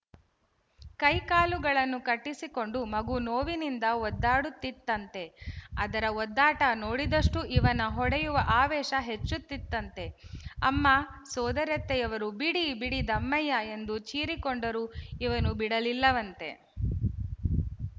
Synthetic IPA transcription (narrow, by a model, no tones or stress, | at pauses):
kɐjkaːluɡɐɭɐnːukɐʈːisiko̞ɳɖumɐɡunoːʋinind̪ɐɔd̪ːaːɽut̪ːit̪ːɐnt̪e̞ɐd̪ɐɾɐɔd̪ːaːʈɐno̞ːɽid̪ɐʂʈuʔiʋɐnɐɦɔɽɛjuʋɐʔaːʋɛːʃɐɦe̞t͡ʃːut̪ːit̪ːɐnt̪e̞ɐ̰mːa | sɔːd̪ɐɾjɐt̪ːɛjɐʋɐɾubiɽibiɽid̪ɐmːɐjɐe̞nd̪ut͡ʃiːɾikoɳɖɐɾuiʋɐnubiɽɐlilːɐʋɐnt̪e̞̰